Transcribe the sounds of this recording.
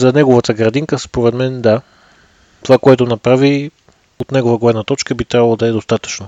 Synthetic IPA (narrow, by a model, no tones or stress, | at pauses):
zɐnɛɡovət̪əɡɾɐd̪iŋkəspoɾɛd̪mɛnd̪a | t̪ovakoɛt̪ʊnɐpɾavi | ot̪nɛɡovəɡolɛnət̪ɔt͡ʃkəbit̪ɾʲavɐlˠod̪ɐɛd̪ost̪at̪ə̥t͡ʃno